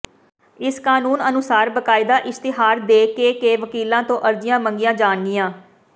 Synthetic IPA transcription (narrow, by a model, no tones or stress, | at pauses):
ɪskaːnuːnənʊsaːɾbəkaːɪd̪aːʔɪst̪ɪɦaːɾd̪eːkeːkeːʋəkiːlãːt̪õːʔəɾd͡ʒɪjãːməŋɡɪjãːd͡ʒaːɳɡɪjãː